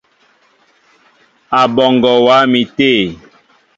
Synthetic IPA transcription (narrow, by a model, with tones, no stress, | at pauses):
a˨bɔ˨ŋɡɔ˨wa˨˦mi˨te˦˨